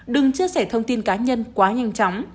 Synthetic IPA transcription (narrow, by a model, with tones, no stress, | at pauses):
ɗɨ˨˩ŋt͡ɕɨ˧əsɛ˧˩t̪ʰə˧wŋ͡mt̪i˧nkaː˨˦ɲə˧nkwaː˨˦ɲa˧jŋ̟t͡ɕɔ˨˦wŋ͡m